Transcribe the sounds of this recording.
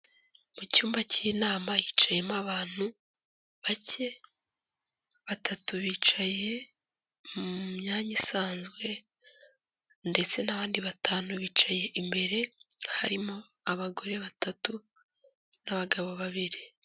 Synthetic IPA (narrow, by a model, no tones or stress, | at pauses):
mucuːmbaciːnaːmajit͡ʃaje̞maβaːn̥hu | βace̞ | βatʰatuβiːt͡ʃaje̞ | mumɲaːɲisaːnzɡwe̞ | nde̞t͡se̞naβaːndiβatʰaːnuβiːt͡ʃaje̞ʔimbe̞ɾe̞ha̰ɾimo̞aβaɡo̞ɾe̞βatatu | naβaɡaβo̞βaβiɾi